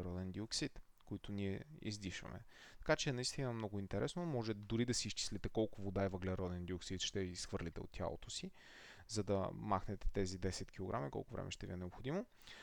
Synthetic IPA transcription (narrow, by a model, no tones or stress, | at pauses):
ɾɔd̪ɛnd̪ioksit̪ | koit̪ʊniɛḭzd̪iʃvɐ̰mɛ̰ | t̪ɐ̥kat͡ʃɛnɐist̪inɐmnɔɡʊint̪ɛɾɛsnomɔʒɛd̪ʊɾid̪ɐsiːst͡ʃi̥slit̪ɛkɔlˠkʊvod̪aɛvɐɡlɛɾɔd̪ɛnd̪ioksit̪ʃt̪ɛisxvəɾlit̪ɛo̰t̪ːʲja̰lˠo̰t̪oʊsi | zɐd̪ɐmaxnɛt̪ɛ̥t̪ɛzid̪ɛsɛt̪k̟ilˠoɡɾʔa̰mikɔ̰lˠkʊvɾɛ̰mɛ̰ʃt̪ɛvʲiɛnɛopxod̪imo